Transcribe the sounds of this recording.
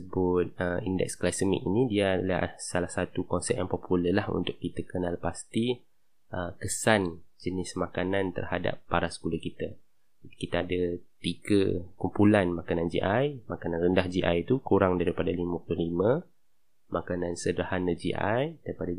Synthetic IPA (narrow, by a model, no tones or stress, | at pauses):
əbʊt̪̚əindɛ̰k̚sklasəmḭkinĩdiaːda̰lahsalahsat̪ukɔnsɛp̚jaŋpɔpʰuləlahṵnt̪ʊkkːit̪akənalpast̪i | ʔəkəsand͡ʒənɪsmãkanãnt̪ə̰rhada̰pːaɾasə̥kuləhkit̪a | kit̪aadat̪iɡəkumpulanmãkanãnd͡ʒḭʔajmakanãnrəndahd͡ʒiʔajt̪ukuɾaŋdaɾipadalimãpuluhlimə̃ | makanansədɾahanəd͡ʒḭʔa̰jdaɾipada